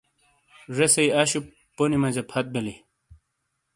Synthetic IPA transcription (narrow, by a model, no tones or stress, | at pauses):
ʐesɐjɐɕu | pːonimɐd͡ʑɐpʰɐt̪̚beli